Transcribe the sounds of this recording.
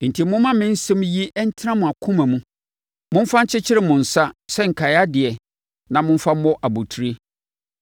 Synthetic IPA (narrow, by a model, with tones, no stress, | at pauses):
n̩˨tʰi˨mʊ̃˦mã˦mɪ̃˦n̩˦sɛ̃˦m˦ji˦ʔɛ˦n̩˦tʰɪ˦nã˦mʊ̃˨a˨kʰʊ̃˦mã˨mũ˦ | mʊ̃˦m˦fa˦n̩˦t͡ɕʰɪ˦t͡ɕʰɪ˦ɾɪ˦mʊ̃˨n̩˨sa˦sɛ˦ŋ̩˨kʰa˨ja˦dɪ˨ɛ˨ | nã˨mʊ̃˦m˦fa˦m̩˦ɔ˦ʔa˨bu˨tʰu˨ɾe˦